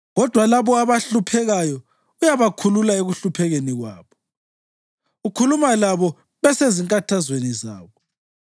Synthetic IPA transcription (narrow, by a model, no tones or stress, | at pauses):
ɣɔd̥ʱwalaβɔaβaɬupʰɛɣajɔ | ujaβakʰululaeɣuɬupʰɛɣeniɣwa̰ːβɔ | ukʰulumalaβɔ | βɛseziŋkʼatʰazweniza̰ːβɔ